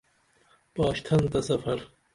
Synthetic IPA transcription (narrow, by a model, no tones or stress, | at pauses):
bɑːʃt̪ʰɐnt̪ɐsɐfɐɾ